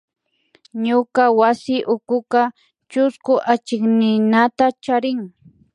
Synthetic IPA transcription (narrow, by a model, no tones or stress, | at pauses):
ɲʊkawasɪʔʊkʊka | t͡ʃʊskʊʔat͡ʃɪknɪnat̪at͡ʃaɾɪŋ